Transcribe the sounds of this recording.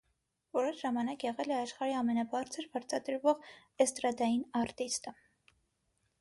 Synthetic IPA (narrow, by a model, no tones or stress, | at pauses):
vɔɾɛʃʒɑmɑnɑkjɛʁɛlɛɑʃχɑɾiɑmɛnɑbɑɾt͡sʰəɾbɑɾt͡sʰɑd̪əɾvɔʁ | ɛst̪ɾɑd̪ɑjinɑɾt̪ist̪ə